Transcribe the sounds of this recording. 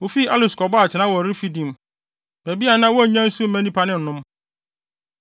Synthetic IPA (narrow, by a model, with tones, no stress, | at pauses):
wo˨fi˦a˦lɪ˨skɔ˨bɔ˦a˨t͡ɕʰɪ˨nã˦wɔ˨ɾi˦fi˦dĩ˨m | be˨bi˦a˨nã˦wɔ˦˨ɲã˦n̩˦su˦mɛ̃˦nĩ˦pʰa˦nɪ̃˦n̩˨nʊ̃˦m